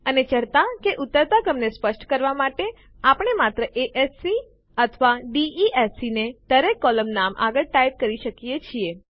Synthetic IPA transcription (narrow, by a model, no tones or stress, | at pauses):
ənet͡ʃəɾt̪akeʔʊt̪ːəɾt̪aɡəmnespəʃʈkəɾʋamaʈe | apəɳ̃emat̪ɾəʔeʔesːi | ət̪ʰʋaɖiiʔesined̪̥əɾekːɔləmnamʔa̰ɡəɭʈajp̚kəɾiʃəkijet͡ʃʰie